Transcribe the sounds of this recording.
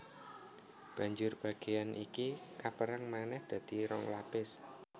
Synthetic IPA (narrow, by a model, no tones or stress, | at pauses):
b̥ä̤ɲd͡ʒʊrb̥a̤ɡ̥ejanʔikikapəɾaŋmanɛhd̪̥ä̤d̪̥i̤ɾɔŋlapɪs